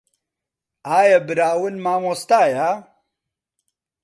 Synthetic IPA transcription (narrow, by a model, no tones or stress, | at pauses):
aːjɐbɨɾaːwɨnmaːmoːst̪aːja